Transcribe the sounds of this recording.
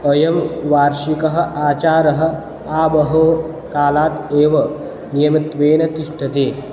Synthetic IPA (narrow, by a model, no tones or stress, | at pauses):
ɐjɐmʋaːɾʃikɐɦɐ̆ʔaːt͡ʃaːɾɐɦɐ̆ | aːbɐɦo | kaːlaːt̪eːʋɐ | nijɐmit̪ʋeːnɐt̪iʂʈʰɐt̪eː